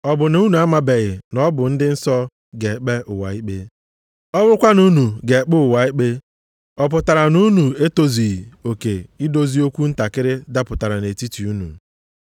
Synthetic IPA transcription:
ɔ˦bʊ˨nu˦nu˨a˦ma˦be˨ɣɪ˨nɔ˦bʊ˨n̩˦dɪ˦n̩˦sɔ˦ | ɡe˨k͡pe˦ʔʊ˨wa̰˨i˦k͡pe˦ | ɔ˦wʊ˦ʊ˦kʷa˦nu˦nu˨ɡe˨k͡pʊ˦ʊ˨wa˨i˦k͡pe˦ | ɔ˦˨p̬ʊ˨ta˨ɾa˨nu˦nu˨e˦to˦zi˨i˨o˨ke˨ɪ˦do˦zi˦o˦kʷu˦n̩˦ta˨kɪ˦ɾɪ˦da˦pʊ˨ta˨ɾa˨ne˨ti˦ti˨u˦nṵ˨

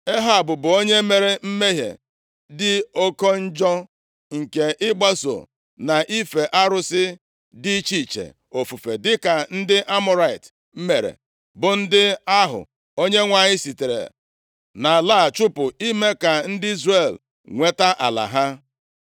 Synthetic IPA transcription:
e˦ɦa˦˨bʊ˨bʊ˨o˦ɲe˦me˨ɾe˦m̩˦me˦ɦḛ˨ | dɪ˦o˦ko˦n̩˦d͡ʒɔ˦ | ŋ̩˨ke˨ʔɪ˦ɡ͡ba˦so̰˨ | na˨ʔi˦fe˨ʔa˦ɾʊ˦sɪ˦ | di˦t͡ʃi˦˨t͡ʃḛ˨ | o˨fu˨fe˨dɪ˦ka˨n̩˦dɪ˦ʔa˦mʊ˦ɾa˨i˨t | m̩˦me˨ɾḛ˨ | bʊ˨n̩˦dɪ˦a˦ɦʊ̰˨ | o˦ɲe˦ŋʷa˨ɲɪ˦si˨te˨ɾḛ˨ | na˨la˦˨t͡ʃʊ˦pʊ˨i˦me˦ka˨n̩˦dɪ˦i˦zre˦˨l | ŋʷe˦ta˦ʔa˨la̰˨ɦa˦

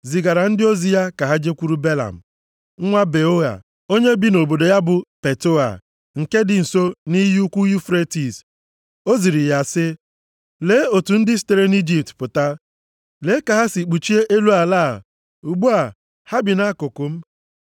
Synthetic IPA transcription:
zi˨ɡa˨ɾa˨n̩˦dɪ˦o˦zi˦ja˦ka˨ɦa˦d͡ʒe˦kʷu˦ɾu˦be˦la̰˨m̩˨ | ŋ̩˦ŋʷa˦be˨o˦ɣa̰˨ | o˦ɲe˦bi˦no˨bo˨do˨ja˦bʊ˨pe˨to˦a̰˨ | ŋ̩˨ke˦dɪ˨n̩˨so˦ni˦ju˦kʷu˦ju˦fɾe˦ti˨s | o˦zi˨ɾi˨ja˨sɪ˦ | le˨˦o˨tu˨n̩˦dɪ˦s̬i̥˨te˨ɾe˦ni˦d͡ʒi˨p̚tpʊ˨ta˦ | le˦ka˨ɦa˦si˨k͡pu˨t͡ʃi˦e˦ʔe˦lu˦a˨laː˦˨ | u˨ɡ͡bu˦a˨ | ha˦bɪ˨na˦kʊ˨kʊ˨m̩˦

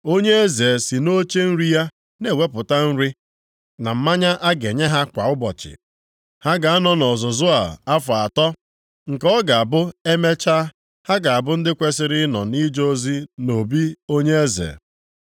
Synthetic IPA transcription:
o˦ɲe˦e˦ze˨si˨no˦t͡ʃe˦n̩˦ɾi˦ja˦ | ne˨we˦pʊ˨ta˦n̩˦ɾi˦ | na˨m̩˦ma˦ɲa˦ʔa˦ɡe˨ɲe˦ɦa˦kʷa˨ʊ˦bɔ˨t͡ʃɪ̰˨ | ha˦ɡa˨a˦nɔ˦nɔ˨zʊ˨zʊ˦a˨a˦fʊ˨a˨tɔ˦ | ŋ̩˨kɔ˦ɡa˨a˨bʊ˦e˦me˦t͡ʃa˦ | ha˦ɡa˨a˨bʊ˦n̩˦dɪ˦kʷe˦sɪ˦ɾɪ˦nɔ̰˨ni˦d͡ʒo˦zi˦no˨bi˦o˦ɲe˦e˦zḛ˨

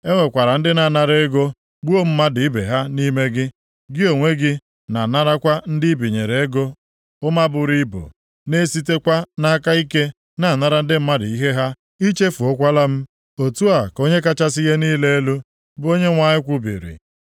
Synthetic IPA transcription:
e˦ŋʷe˨kʷa˨ɾa˨n̩˦dɪ˦na˨na˨ɾe˦e˦ɡo˦ | ɡ͡bu˦o˦m̩˦ma˦dɪ˨i˦bḛ˨ɦa˦ni˦me˦ɡɪ˦ | ɡɪ˦o˨ŋʷe˦ɡɪ˦ | na˨na˦ɾa˦kʷa˦n̩˦dɪ˦i˦bi˨ɲe˨ɾe˨e˦ɡo˦ | ʊ˦ma˦bʊ˨ɾi˦bo̰˨ | ne˦si˦te˦kʷa˦na˦ka˦i˦ke˦ | na˨na˦ɾa˨n̩˦dɪ˦m̩˦ma˦dɪ˨i˦ɦe˦ɦa˦ | i˦t͡ʃe˦fu˨o˦kʷa˦la˦m̩˦ | o˨tu˦a˨ko˦ɲe˦ka˦t͡ʃa˦si˦ɣe˦niː˦le˦e˦lu˦ | bʊ˦o˦ɲe˦ŋʷa˨ɲɪ˦kʷʊ˦bḭ˨ɾḭ˨

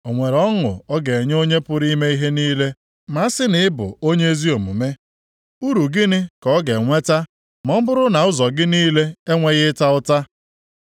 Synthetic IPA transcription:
o˨ŋʷe˨ɾɔ˦ŋʊ̰˨ɔ˦ɡe˨e˨ɲ˦o˦ɲe˦pʊ˦ɾi˦me˦i˦ɦe˦niː˦le˦ | ma˨˦sɪ˦nɪ˨ɪ˦bʊ̰˨o˦ɲe˦e˦zi˦o˨mṵ˨me˦ | u˦ɾu˨ɡɪ˦nɪ˦kɔ˦ɡe˨ŋʷe˦ta˦ | mɔ˦m̩˦bʊ˦ɾʊ˦na˨ʊ˦zɔ˨ɡɪ˦niː˦le˦e˦ŋʷe˦ɣɪ˦ta˦ʊ˦ta˦

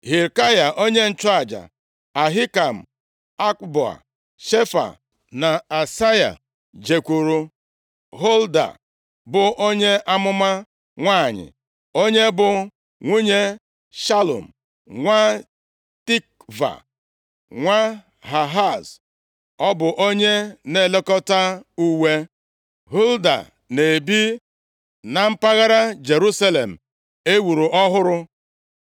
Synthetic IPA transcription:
ɦi˨ɾka˦ja˨ʔo˦ɲe˦n̩˨t͡ʃa˦a˨d͡ʒa̰˨ | a˨ɦɪ˦ka˨m̩˨ | a˦kbɔ˨a̰˨ | ʃe˦fa̰˨ | na˨a˨sa˦ja̰˨ | d͡ʒe˨kʷu˨ɾu˦ | ɦo˦lda̰˨ | bʊ˨o˦ɲe˦ʔa˦mʊ˦ma˦ | ŋʷaː˦˨ɲɪ̰˨ | o˦ɲe˦bʊ˨ | ŋʷu˦ɲe˦ | ʃa˦lo̰˨m̩˨ | ŋʷa˦ | ti˦k̚ | va̰˨ | ŋʷa˦ | ɦa˨ɦa˦˨z | ɔ˦bʊ˨ʔo˦ɲe˦ne˨le˦kɔ˦ta˦u˦we˦ | ɦu˦lda̰˨ | ne˨bi˦ | na˨m̩˦pa˦ɣa˦ɾa˦d͡ʒe˨ɾu˦sa˦le˨m̩˨ | e˦wu˨ɾu˨ʔɔ˦ɦʊ˦ɾʊ˦

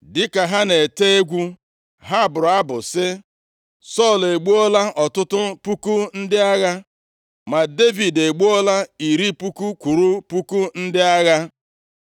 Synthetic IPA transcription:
dɪ˦ka˨ɦa˦ne˨te˦e˦ɡʷu˦ | ɦa˦˨bʊ˨ɾʊ˨a˦bʊ˨sɪ˦ | sɔ˦˨le˨ɡ͡bu˦ɔ˦la˦ʔɔ˨tʊ˦tʊ˦pu˦ku˦n̩˦dɪ˦a˦ɣa˦ | ma˨de˦vi˨de˨ɡ͡bu˦o˦la˦i˨ɾi˦pu˦ku˦kʷu˨ɾu˦pu˦ku˦n̩˦dɪ˦a˦ɣa˦

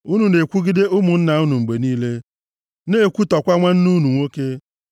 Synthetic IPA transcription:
u˦nu˨ne˨kʷu˦ɡi˦de˦ʊ˦mʊ˨n̩˦na˨ʊ˦nu˨ŋ͡m̩˨ɡ͡be˨niː˦le˦ | ne˦˨kʷu˦tɔ˨kʷa˦ŋʷa˦n̩˦nu˦nu˨ŋʷo˦ke˦

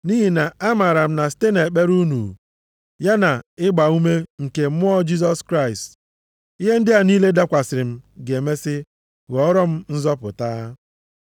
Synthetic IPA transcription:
ni˦ɦi˨na˨a˦ma˨ɾa˨m̩˦na˨ste˦ne˨k͡pe˦ɾu˦nṵ˨ | ja˦na˨ɪ˦ɡ͡ba˨u˦me˦ŋ̩˨ke˨˦m˦ɔ˦d͡ʒi˦s̬ɔ˦skɾa˦˨ɪ˨st | i˦ɦe˦n̩˦dɪ˦a˨niː˦le˦da˦kʷa˨sɪ˨ɾɪ˨m̩˦ɡe˨me˦sɪ˦ | ɣɔ˨ɔ˦ɾɔ˦m̩˦n̩˦zɔ˦pʊ˨taː˦

